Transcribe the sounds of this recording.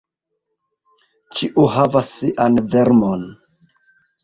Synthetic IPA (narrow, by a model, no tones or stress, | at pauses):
t͡ʃiʔuɦavasːiʔanveɾmon